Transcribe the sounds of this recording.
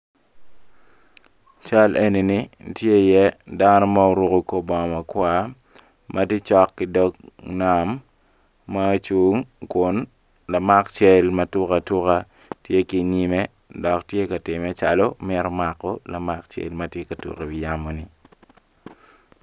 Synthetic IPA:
t͡ʃa˦lʔe˦ni˨ni˦tje˦ɪ˨jɛ˦da˦nɔ˦ma˦o˨ɾu˦ko˨ko˦bɔ˨mɐ˨kwa˦ | mʔɐ˦ti˦t͡ʃɔ˦kːɪ˦dɔ˦kna˨mː | a˦t͡ʃu˦ŋkʊ˨˦n | la˨ma˦kt͡ʃɛ˦lmɐ˦tʊ˦ka˨tʊ˦ka˦ | tje˦ki˨ɲi˦me˦ | dɔ˨ktje˦kɐ˨tɪ˨mɛ˨˦t͡ʃa˨lo˦mɛ˦ɾɔ˦ma˨kːɔ˦la˨ma˦kt͡ʃḛ˨lmɐtje˦kɐ˨tṵ˨ke˨wɪ˨ja˦mo˨ni˨

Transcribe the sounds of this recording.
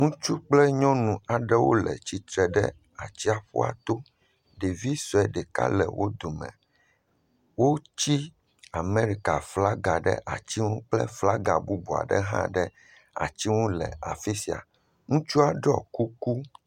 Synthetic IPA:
ŋũ˦t͡ʃu˦k͡plɛ˦ɲɔ̃˦nũ˨a˨ɖɛ˦wo̰˦lɛ̰˨t͡ɕi˨t̪ɾɛ˨ɖɛ̰˦ | a˨t͡ɕi˦a˨ɸṵ˦a̰˨t̪o˦ | ɖe˨vi˦sɔ˨ɛ˨ɖɛ˨ka̰˦lɛ̰˨wʔo˦d̪o˨mɛ̰̃˨ | wo˦t͡ɕi˦ | a˨me˦ɾi˦ka˨fla˦ɡa˨ɖɛ̰˦ʔa̰˨t͡ɕi˦ŋũ˦k͡plɛ̰˦fla˦ɡa˨bu˦bo˨a̰˨ɖɛ̰˦ɦã̰˦ɖɛ˦ | a̰˨t͡ɕi˦wo˦lɛ̰˨a˨fi˦si˨a̰˨ | ŋũ˦t͡ʃu˦a˨ɖɔ̰˦˨ku˦ku˦

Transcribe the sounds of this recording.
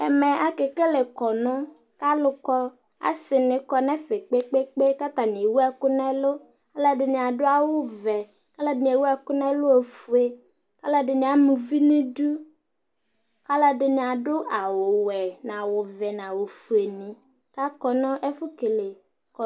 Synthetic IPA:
ɛ˨mɛ̃˨ʔa˦ke˨ke˦le˨kɔ˨nʊ̃˦ | ka˦lʊ˨kɔ˦ | a̰˨sɪ˨nɪ̃˨kɔ˦nɛ̃˦fe˨k͡pe˦k͡pe˦k͡pe˦ka˦t̪a˨n˨e˨wu˦ɛ˦kʊ˦nɛ˦lʊ˦ | ka˦la˨dɪ˨nɪ̃˨a˨dʊ˦a˦wʊ˦vɛ˨ | ka˦la˦dɪ˨n˨e˨wu˦ɛ˦kʊ˦nɛ̃˦lʊ˦o˨fu˨e˨ | ka˦la˦dɪ˨nɪ̃˨a˨mũ˨vi˦nĩ˦du˦ | ka˦la˦dɪ˨nɪ̃˨a˨dʊ˦ʔa˨wʊ˨wɛ˨nã˨wʊ˨vɛ˨nã˨wo˨fu˨e˨nɪ̃˨ | ka˦kɔ˨nʊ̃˦ʔɛ˦fʊ˦ke˨le˨ | kɔ˨

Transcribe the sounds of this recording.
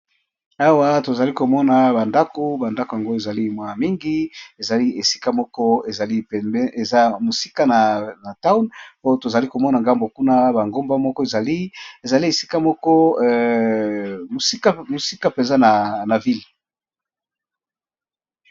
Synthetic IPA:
a˦wa˦to˨za˨li˦ko˨mɔ˦na˨ba˨nda˦ko˦ba˨nda˦ko˨a˨ŋɡo˦e˨za˨li˦mwa˦˨mi˦ŋɡi˦e˨za˨li˦e˨si̥˦ka˦mɔ˦kɔ˦e˨za˨li˦˨ɛ˦e˨za˦mo˨si˦ka˦na˨na˨ta˦wnpo˦to˨za˨li˦ko˨mɔ˦na˨ŋɡa˦mbo˨ku˦na˦ba˨ŋɡo˦mba˦mɔ˦kɔ˦e˨za˨li˦e˨za˨li˦e˨si̥˦ka˦mɔ˦kɔ˦˨ | mo˨si˦ka˦mo˨si˦ka˦pe˨nza˦na˨na˨vi˦l

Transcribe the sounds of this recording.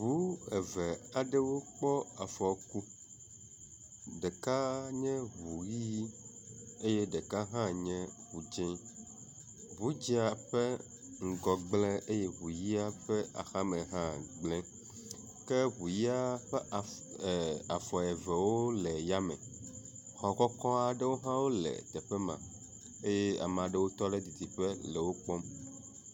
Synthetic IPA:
bu˨˦ɛ˨vɛ˨a˨ɖɛ˦wo˦k͡pɔ˦a˨fɔ˨ku˦ | ɖe˨ka˦ɲɛ̃˦βu˨ji˦ji˦ | e˦jɛ˦ɖe˨ka˦ɦã˦ɲɛ̃˦ | βu˨d͡ʒɛ̃˦ | bu˨˦d͡ʒi˦a˨ɸɛ˦ | ŋ̩˨ɡɔ˨ɡ͡blɛ̃˦e˦je˦βu˨ji˦a˦ɸɛ˦a̰˨xa˦mɛ̃˨ɦã˦ɡ͡blɛ̃˦ | ke˦βu˨ji˦a˦ɸ | a˨fɔ˨ɛ˨vɛ˨wo˦lɛ˨ja˦mɛ̰̃˨ | xɔ˨kɔ˦kɔ˦a˨ɖe˦wo˦ɦã˦wo˦lɛ̰˨t̪ɛ˨ɸɛ˦mã̰˨ | e˦je˦a̰˨m˨ã˨ɖe˦wo˦t̪ɔ˦ɖe˦d̪i˨t̪i˨ɸɛ˦lɛ˨wo˦k͡pɔ˦m

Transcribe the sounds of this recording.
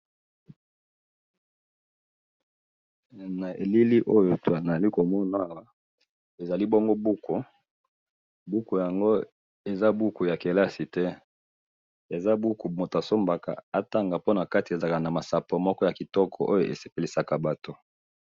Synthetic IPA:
na˨e˨li˦li˦ʔo˦jo˨to˨a˨n˨a˨li˦ko˨mɔ˦na˨a˦˨wa˨˦ | e˨za˨li˦bɔ˦ŋɡo˦bu˦ko˨ | bu˦ko˨ja˨ŋɡo˦ | e˨za˦bu˦ku˨ja˨ke˨la˦si˨tɛ˦ | e˨za˦bu˦ku˨mo˨ta˨so˦mba˨ka̰˨a˦ta˦ŋɡa˨po˦na˨ka˦ti˨e˨za˨ka˨na˨ma˨sa˨po˨mɔ˦kɔ˦ja˨ki˨tɔ˦kʰɔ˨ʔo˦jo˨ʔe˨se˨pe˨li˨sa˨ka˨ba˨to˦

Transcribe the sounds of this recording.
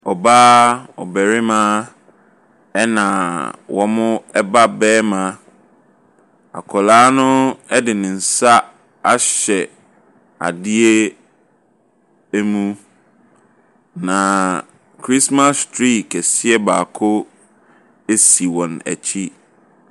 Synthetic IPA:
ɔ˨baː˦ɔ̰˨bæ˨ɾɪ˦mãː˦ | ɛ˦nã˨wʔɔ˦mʊ̃˦ɛ˦ba˦bɛː˦mã˦ | a̰˨kʰɔ˨laː˦nʊ̃˦ɛ˦dɪ˨nɪ̃˨n̩˨sa˦ | a˦ɕɛ˨ | a̰˨dɪ˦e˦ | æ˦mũ˦ | nã˨ | kʰɾi˦sma˦stʰɾi˦kʰɛ˨sɪ˦ɛ˦baː˨kʰʊ˦ | e˦si˨wɔ̃˨næ̰˨t͡ɕʰi˦

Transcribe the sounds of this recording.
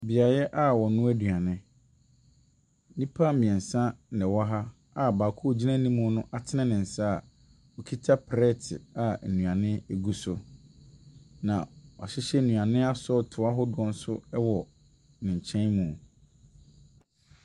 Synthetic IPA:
bi˨a˨jɛ˦ʔa˦wɔ˨nʊ̃˦æ˦du˨a˨nɪ̃˦ | nĩ˦pʰa˦mĩ˨ɛ˨n̩˨sã˦nɛ̃˨wa˦ɦa˦ | a˨baː˨kʰu˦˨d͡ʑi˦nã˦nĩ˦mũ˦nʊ̃˦ʔa˨tʰɪ˦nɛ̃˦nɪ̃˨n̩˨sa˦˨ | ɔ˨kʰi˦tʰa˦pʰɾɛ˦tʰɪ̰˨a˨nũ˨ã˨nɪ̃˦ɛ˦˨ɡu˦sʊ˦ | nã̰˨wa̰˨ɕɪ˦ɕɛ˦˨nũ˨a˨nɪ̃˦a˦sɔ˦tʰʊ˨a˦ɦɔ˦dʊ˦ɔ̃˦n̩˦sʊ˦ɛ˦wɔ˨ | nɪ̃˨ɲ˨t͡ɕʰɛ̃˦nmũ˨

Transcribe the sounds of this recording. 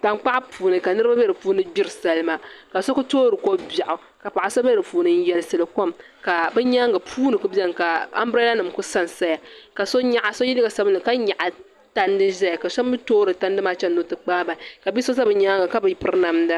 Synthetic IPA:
ta˨mk͡pa˦ʔpʰuː˨nɨ˨ka˨nɨ˦ɾɨ˦ba˦bɛ˦ɾɨ˨puː˦nɨ˦bʲi˦ɾɨ˨sa˨lɨ˦ma˦ka˨so˦kʊ˦toː˦ɾɨ˨ko˦ba˨ʔʊ˨ | ka˨pa˨ʔa˨so˦bɛ˦ɾɨ˨puː˨˦nɨ˨˦n̩˦jɛ˨lsɨ˨lɨ˨ko˦m | ka˨bɨ˦ɲa˦ŋɡa˨pʰuː˦nɨ˨ku˦bɛ˦n˨ka˨a̰˦mbɾe˦la˦nɨ˨mkʊ˦sa˦n˨sa˦ja˨ka˨so˦ɲa˦ʔa˨so˦ji˦li˦ɡa˨sa˦bɨ˦nɨ˨ka˦ɲa˨ʔa˨ | ta˦ndɨ˦ʒa˦ja˨ka˨sa˦m˦bɨ˦toː˦ɾɨ˨ta˦ndɨ˦maː˦t͡ʃɛ˦nːo˦tɨ˨k͡paː˦ba˨ka˨bi˦so˦za˦bɨ˨ɲaː˦ŋɡa˨ka˦bɨ˨pɨ˦ɾna˦mda˦

